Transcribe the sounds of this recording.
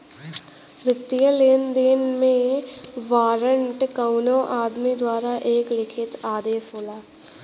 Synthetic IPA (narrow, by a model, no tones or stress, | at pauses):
ʋɪt̪ːijəleːnd̪eːnmẽʋaːɾəɳʈkaʊnõʔaːd̪mid̪waːɾaʔeːklɪkʰɪt̪aːd̪eːsɦoːlaː